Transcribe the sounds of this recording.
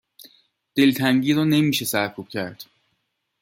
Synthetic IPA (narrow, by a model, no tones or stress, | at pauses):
d̪̥e̞lt̪ʰæŋɟiːɾɒːne̞miːʃe̞sæɾkʰub̥cʰæɾd̪̥